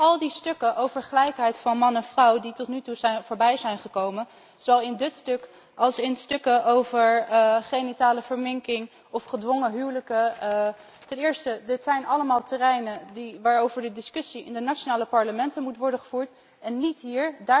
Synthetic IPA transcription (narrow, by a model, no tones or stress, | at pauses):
ɑlˠdistɵkəʔowvəɹχəlɛjkɦɛjtfɑnmɑnɛnvrɑwditɔtnytuzɛjnvʊːɹbɛjzɛjnχəkowmən | zowɑlˠɪndɪtstɵk | ʔɑlˠsɪnstɵkəʔowvəɹχejnitaːləvəɹmɪŋkɪŋ | ɔfχədʋɔŋəɦywləkə | tɛnɪːɹstədɪtsɛjnɑləmaːlˠtərɛjnədiʋaːɹowvəɹdədɪskɵsiʔɪ̰ndənat͡ʃonaːləpɑɹləmɛntənmutʋɔɹdəχəv̥uːɹt | ɛnːitɦiːɹdaː